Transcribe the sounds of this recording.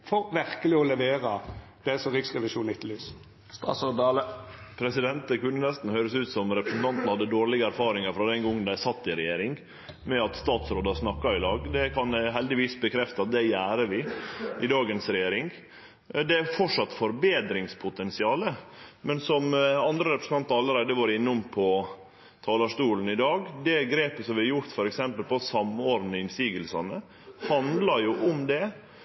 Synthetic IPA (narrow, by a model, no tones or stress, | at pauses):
fɔɾʋɪʁkəlɪɔlɛʋeːɾə | d̪̥ɛsɔʁɪksʁɛʋɪʃuːnɪt̪ːlyːs | st̪ɑ̰ːt̪soːd̪ləpʰɾɛsɪd̪ɛnt̪əkʉnːənɛst̪n̩høːɾəsʉːt̪sɔmɾɛpɾəsn̩t̪ʰɑnt̪nhɑd̪ːəd̪oːɾɭɪɡəæɾfɑːɾɪŋəɾfɾɑd̪ɛnɡɔŋːənd̪æsɑt̪ːɪɾɛjeːɾɪŋ | mɛɑt̪st̪ɑːt̪sɾoːd̪ɑsnɑkːɑɪlɑːɡd̪ɛkʰɑnɦɛld̪ɪʋiːsbəkʰɾɛft̪əɑt̪̚d̪ɛjæːɾəʋɪʔɪd̪ɑːɡənsɾɛjeːɾɪŋ | d̪ɛæɾfɔʈʂɑt̪ːfɔɾbeːd̪ɾɪŋspʰʊt̪ʰɛnsɪɑːləmɛnsɔmɑnd̪ɾəɾɛpɾəsn̩ʰɑnt̪ɑɾɑlːəɾæɪd̪əʋɑːɾəɪnːʊmpʰɔ | t̪ʰɑːlɑʂʈ̪uːln̩ɪd̪ɑːɡd̪ɛɡɾeːpəsɔmʋɪhɑɾjʊɾt̪fɔɾɛksɛmpəlpɔsɑmoːɾnəɪnsiːɡəlsɑnə | hɑnd̪lɑɾjʊʔʊmd̪ɛ